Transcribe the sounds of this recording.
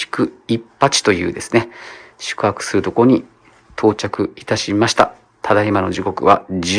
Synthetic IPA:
kɯ̟ipːat͡ɕi̥t̪o̞jɯ̟̰ːd̪e̞sɨne̞ɕɨ̥kɯ̟hakɯ̟̥sɨɾɯ̟t̪o̞koo̞ɲ̟i | t̪ʰo̞ːt͡ɕakɯ̟it̪aɕimaɕi̥t̪a̰ | t̪ʰad̪aimanoʑiko̞kɯ̟βa̰d͡ʑ

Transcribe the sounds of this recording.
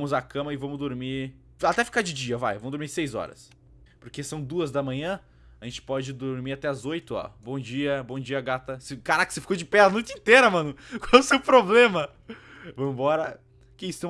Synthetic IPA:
mʊzakɐ̃mɐɪvɐ̃mʊzd̪oɾmiɾ | at̪ɛfi̥kad͡ʒɪd͡ʒiɐva̰jvɐ̃w̃d̪oɾmiɾsejzɔ̰ɾɐ̰s | poɾkesɐ̃w̃d̪uɐzd̪ɐmɐ̃ɲɐ̃ | aʒẽnt͡ʃɪ̥pɔd͡ʒɪd̪oɾmiɾat̪ɛɐzojt̪ʊɔ̰bõd͡ʒiɐbõd͡ʒiɐaɡat̪ɐsekaɾakɪ̥sefi̥kod͡ʒɪpɛanujt͡ʃĩt̪eɾɐmɐ̃nʊkwawɛseʊpɾoblẽmɐ | vɐ̃mʊbɔɾɐ | kɪisʊt̪ẽ

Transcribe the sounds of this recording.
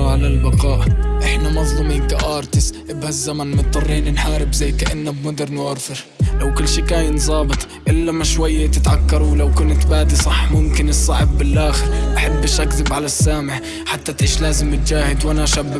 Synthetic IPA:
ʕalalbɑqɑːʔʔɪħnamɑzˤlʊmɪnk̪aʔɑːɾˤt̪ɪsʔɪbhazːamanmʊt̪ˤːɑrˤːiːnɪnħaːɾɪbzajːkaʔɪnːabmʊd̪ɪɾnʕɑɾˤfɪɾ | lawkʊlːʃiːkaːjɪnzˤɑːbɨt̪ˤ | ʔɪlːamaʃwajːat̪ɪt̪ʕakːɑɾˤwlawkʊnt̪baːd̪isˤɑħːmʊmkɪnɨsˤːɑʕɪbːɪlʔaːxɪɾʔaħɪbːɪʃakzɪbʕalasːaːmɪʕ | ħat̪ːat̪ʕiːʃlaːzɪmɪt̪̚d͡ʒaːhɪd̪wʔanaʃabːa

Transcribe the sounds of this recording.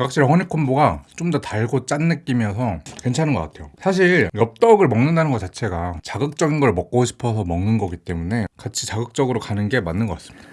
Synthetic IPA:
kak̚ɕ͈iɾhʌɲikʰonboɡat͡ɕomdʌtaɭɡot͡ɕ͈anːɯk͈imjʌsʰʌkwent͡ɕʰanɯnɡʌk͈atʰe̞josʰaɕ̬ʰiɭjʌp̚t͈ʌɡɯɭmʌŋnɯndanɯnɡʌt͡ɕat͡ɕʰe̞ɡat͡ɕaɡɯk̚t͡ɕ͈ʌɡinɡʌɭmʌk͈ooɕʰi̥pʰʌsʰʌmʌŋnɯnɡʌɡit͈e̞mune̞kat͡ɕʰit͡ɕaɡɯk̚t͡ɕ͈ʌɡɯɾokanɯnɡe̞manːɯnɡʌk͈as͈ɯmiid̥ḁ

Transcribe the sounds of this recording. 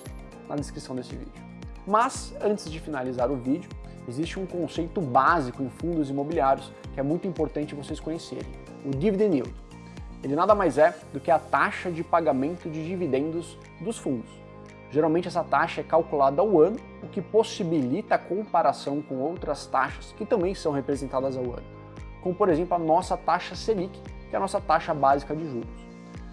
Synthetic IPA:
nɐ̰d̪eskɾisɐ̃w̃d̪esɪvḭd͡ʒʊ | mɐzɐ̃nt͡ʃɪzd͡ʒɪfinalizaɾʊvid͡ʒʊ | ezist͡ʃɪũkõsejt̪ʊbazikʊẽj̃fũnd̪ʊzimobiliaɾjʊs | kɪɛmũj̃t̪ʊĩpoɾt̪ɐ̃nt͡ʃɪvoseskõɲesḛɾḛ̃j̃ | ʊd͡ʒivid̪ẽniwd̪ | elɪnad̪ɐmajzɛd̪ʊkɪɐt̪aʃɐd͡ʒɪpaɡamẽnt̪ʊd͡ʒɪd͡ʒivid̪ẽnd̪ʊz | d̪ʊsfũnd̪ʊs | ʒeɾawmẽnt͡ʃɪɛsɐt̪aʃɐɛkawkulad̪ɐawɐ̃nʊ | ʊkɪposibilit̪ɐːkõmpaɾasɐ̃w̃kõowt̪ɾɐst̪aʃɐ̥skɪt̪ɐ̃mbẽj̃sɐ̃w̃hepɾezẽnt̪ad̪ɐzawɐ̰̃nʊ | kõmʊpoɾezẽmplʊɐnɔsɐt̪aʃɐselikɪ̥kɪɛɐnɔsɐt̪aʃɐbazikɐd͡ʒɪʒuɾʊs

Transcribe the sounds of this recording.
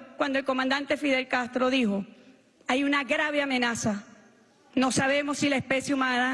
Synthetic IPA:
kwand̪oelko̞mãnd̪ant̪e̞fiðe̞lkast̪ɾo̞ðiho̞ | ajunaɡɾaβe̞amẽnasa | no̞saβe̞mo̞sːilaespe̞sjeumãna

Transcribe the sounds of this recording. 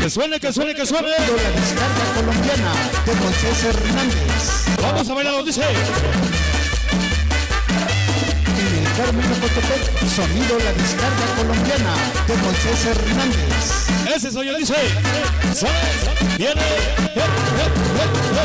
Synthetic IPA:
keswenekeswenekesweneðolaðiskaɾɣako̞lombjanaðeɣonseseɾnãnd̪ḛsbamos̬aβejlaɾod̪ise | enelkaɾmẽnopot̪ote | so̞niðolaðiskaɾɣako̞lombjana | ðeɣonseseɾnãnd̪ḛs | eses̬ojoðise | sa | bjene

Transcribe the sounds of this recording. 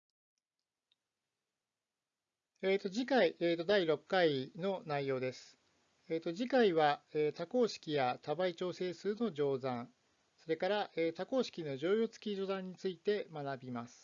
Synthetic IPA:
eːt̪o̞ʑikaiʔeːt̪o̞d̪aiɾo̞kːaino̞naijo̞ːd̪e̞sɨ̥ | eːt̪o̞ʑikaiβaeːt̪ako̞ːɕi̥kʲijat̪abait͡ɕo̞ːse̞ːsɨːno̞ʑo̞ːzãɴ | so̞ɾe̞kaɾaʔeːt̪ako̞ːɕi̥kʲino̞ʑo̞ːjo̞ːt͡sɨ̥kʲiʑo̞d̪ãɲ̟ːit͡sɨit̪e̞manabʲimasɨ̥

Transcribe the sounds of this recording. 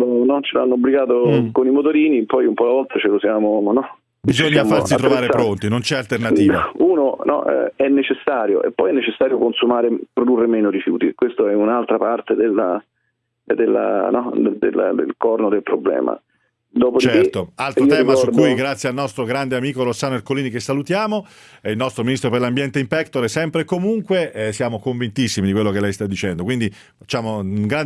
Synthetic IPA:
lonɔt͡ʃeloa̰nːoːbːliɡaːt̪okonimot̪oɾiːnipɔjumpɔlavɔlt̪ʰat͡ʃelosjaːmonɔ | bizoɲsːaffarsit̪ɾovaːɾespɾont̪inont͡ʃɛalt̪ernat̪iːuːnonɔ̰ɛɛnːet͡ʃesːaːɾjo̰ʔḛpːɔjɛnːet͡ʃesːaːɾjokonsumaːɾepɾod̪urːemɛːnoɾifjṵːt̪ḭkwest̪oɛunalt̪ɾapart̪ed̪elːa̰ | d̪elːa̰nɔd̪d̪ḛld̪ḛlkɔrnod̪elpɾoblɛ̰ːma̰ | d̪oːpod̪it͡ʃɛrit̪oalt̪oiːoɛːimkasud̪ujɡɾat̪sːjealnɔst̪ɾoɡɾand̪eamiːkoɾosːaːnoerkoliːnikesːalut̪jaːmo | ilnɔst̪ɾominist̪ɾoperlambjɛnt̪eimpɛkt̪oɾɛsɛmpɾekːomuŋkwesjaːmokoɱvint̪isːimid̪ikwelːokelɛjst̪ad̪ːit͡ʃɛnd̪okwind̪i | fat͡ʃːaːmouŋɡɾan

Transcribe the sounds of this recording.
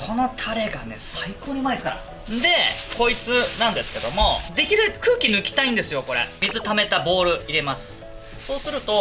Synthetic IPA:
kʰo̞no̞t̪ʰaɾe̞ɡane̞saiko̞ːɲ̟imaiska̰ɾa̰ | d̪e̞ko̞it͡sɨnãnd̪e̞sɨ̥ke̞d̪o̞mo̞d̪e̞kʲiɾɯ̟kɯ̟ːkʲinɯ̟kʲi̥t̪aĩnd̪e̞sɨjo̞ko̞ɾe̞̰mʲizɨt̪ame̞t̪abo̞ːɾɯ̟iɾe̞masɨ̥ | so̞ːsɨɾɯ̟t̪o̞

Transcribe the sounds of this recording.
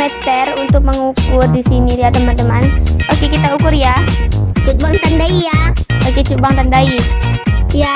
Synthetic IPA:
ɛt̪ɛrunt̪ʊk̚məŋukʊrdisiniɾiadəmandəmanokikit̪aukurjat͡ʃut̚baŋt̪andaijaaket͡ʃubaŋt̪andai | ja

